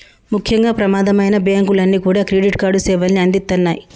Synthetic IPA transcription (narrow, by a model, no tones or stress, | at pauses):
mukʰjɐŋɡaːpɾɐmaːd̪ɐmɐjnɐbaːŋɡulɐnːiːkuːɽaːkɾeːɖiʈkaːɖusɛːʋɐlːniɐnd̪it̪ːɐnːaːji